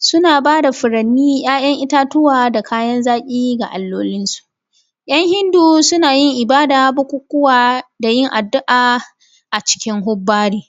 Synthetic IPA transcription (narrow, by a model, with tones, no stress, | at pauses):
sʊ˦naː˨baː˦da˨ɸʊ˨ɾɐ˨nːiː˦j̰aː˦j̰ɐ˦ŋʔɪ˦taː˦tʊ˦waː˨da˨kʰaː˦jɐ˦nzaː˦kʲʼiː˦ɡa̰˨ʔa˨lːoː˦lɪ˦nsu̥˨ʔ | j̰ɐ˦ŋhɪ˦nduː˨sʊ˦naː˨jɪ˦ŋʔɪ˨baː˦daː˨˦bʊ˦kʷʊ˦kʷːʊ˦waː˨da˨jɪ˦ŋʔa˨dːʊ˦ʔaː˨ | ʔa˨t͡ʃɪ̥˦kʲɪ˦ŋɦʊ˦bːaː˦ɽiː˨